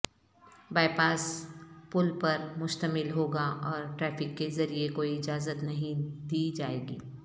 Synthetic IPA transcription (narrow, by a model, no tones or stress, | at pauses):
baːɪpaːspʊlpɐɾmʊʃt̪əmɪlɦoːɡaʔɔːɾʈɾɛːfɪkːezɐɾiekoːiɪd͡ʒaːzət̪nɐɦĩd̪iːd͡ʒaːeːɡḭː